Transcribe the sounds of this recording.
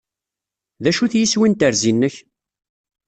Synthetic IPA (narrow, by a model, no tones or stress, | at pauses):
ðæʃuθjiswint̪əɾzinːəç